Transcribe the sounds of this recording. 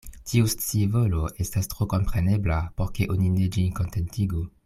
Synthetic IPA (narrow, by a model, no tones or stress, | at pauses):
tiust͡sivoloʔestastʁoko̞mpʁene̞blapoɾkeʔonined͡ʒinko̞ntentiɡu